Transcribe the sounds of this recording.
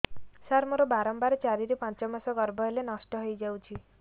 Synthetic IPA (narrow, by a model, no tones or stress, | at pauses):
saɾmɔɾɔbaɾɔmbaɾet͡ʃaɾiɾipant͡ʃɔmasɔɡɔɾbʱɔelenɔsʈɔɦojd͡ʒawt͡ʃʰi